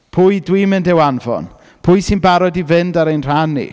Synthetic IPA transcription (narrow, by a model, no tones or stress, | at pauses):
pʰʊːjdwiːmɨndɛwanvɔ̰n | pʰʊɨsɪnbaɾɔdivɪndaɾejnr̥anḭ